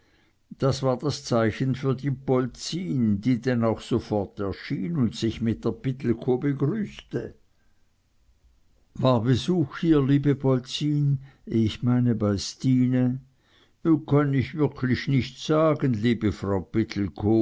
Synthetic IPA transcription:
d̥asv̥aːɐd̥ast͡saɪçən̩fyːɐdiːbɔlt͡siːndiːdɛnaʊxsofɔʁtɛɐʃiːnʊntsɪçmɪt̚d̥eːɐb̥ɪt̪l̩kʰoːbəɡʁyːstə | vaːɐbəzuːxhiːɐliːbəbɔlt͡siːnɪçmaɪnəbaɪstiːnə | okʰanɪçvɪʁkʰlɪçnɪçtsaːɡənliːbəfʁaʊpɪt̪ʰl̩kʰoː

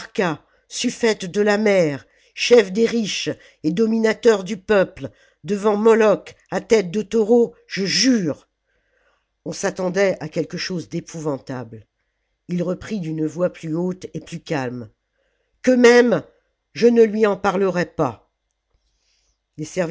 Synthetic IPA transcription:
ʁka | syfɛt̪d̪əlamɛʁ | ʃɛfd̪eʁiʃ | ed̪ɔminat̪œʁd̪ypœpl | d̪əvɑ̃mɔlɔk | at̪ɛt̪̚d̪ət̪ɔʁo | ʒəʒyːʁ | ɔ̃sat̪ɑ̃d̪ɛakʲɛlkəʃozd̪epuvɑ̃t̪abl | ilʁəpχid̪ynvwaplyot̪eplykalm | kəmɛm | ʒənəlɥiɑ̃paʁləʁɛpa | lesɛʁv

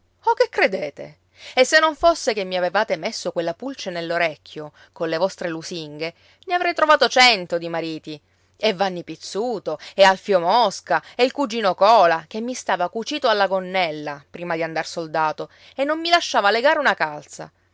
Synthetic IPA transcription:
ɔk̟ekːɾed̪eːt̪ḛ | esːenːoɱfosːekemːiavevaːt̪emesːokwelːapult͡ʃenelːoɾɛkʰʲːjo | konlevɔst̪ɾelusiŋɡe | neavɾɛjt̪ɾovaːt̪ot͡ʃɛnt̪od̪imaɾiːt̪i | evːanːipit̪sːuːt̪oealfjomɔskaeilkud͡ʒiːnokɔːlak̟emːist̪aːvakut͡ʃiːt̪oalːaɡonːɛlːapɾiːmad̪iand̪arsold̪aːt̪o | enːomːilaʃːaːvaleɡaːɾeunakalt̪sa̰

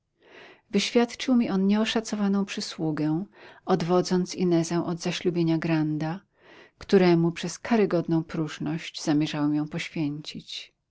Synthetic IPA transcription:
vɘɕfʲjat̪t͡ʂɘwmʲiʔɔnɲɛɔʂat̪sɔvanɔ̃w̃pʂɘswuɡɛɔd̪vɔd̪zɔnt̪sinɛzɛ̃w̃ʔɔd̪zaɕlubʲjeɲaɡɾand̪a | kt̪uɾɛmupʂɛskʰaɾɘɡɔd̪nɔ̃w̃pɾuʐnɔɕd͡ʑz̥amʲjɛʐawɛmjɔ̃w̃pɔɕfʲjeɲt͡ɕit͡ɕ

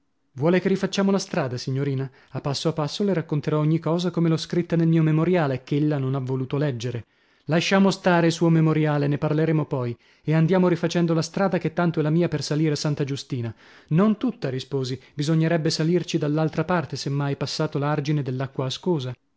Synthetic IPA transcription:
vwɔːlekerːifat͡ʃːaːmolast̪ɾaːd̪asiɲːoɾiːna | apːasːoapːasːoleɾakːont̪eɾɔoɲːikɔːzakomelɔskɾit̪ːanelmiːomemoɾjaːlekːeelːanonavːoluːt̪olɛd͡ʒːeɾe | laʃːaːmost̪aːɾeilsuːomemoɾjaːleneparleɾeːmopɔj | eand̪jaːmoɾifat͡ʃɛnd̪olast̪ɾaːd̪aket̪ːant̪oɛlamiːapersaliːɾeasant̪ad͡ʒust̪iːna | nont̪ut̪ːaɾispoːzibizoɲːeɾɛbːesalirt͡ʃid̪alːalt̪ɾapart̪esemːajpasːaːt̪olard͡ʒined̪elːakːwaːskoːza

